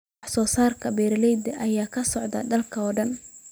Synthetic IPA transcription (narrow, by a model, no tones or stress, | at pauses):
ħsɔːsaːrkʰɐbɛːɾlɛjd̪ɐʔɐjaːkʰɐsɔʕd̪ɐ̰ɖɐlkʰɐɔːɖɐn